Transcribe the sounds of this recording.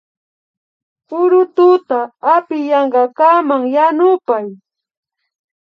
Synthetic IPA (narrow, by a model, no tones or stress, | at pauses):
pʊɾʊt̪ʊt̪aːpɪjɑɴɢɑkamaŋjanʊpaj